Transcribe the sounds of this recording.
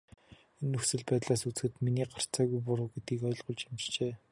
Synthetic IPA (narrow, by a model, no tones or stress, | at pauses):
enːɵxsɘ̆ɮpæːt̪ɮaːsut͡sxɘ̆t̪miniːɢar̥t͡saːɣujpʊɾoːwɡet̪̚ɡiːkɔ̆ːɮɢʊɮt͡ɕamt͡ɕt͡ɕeː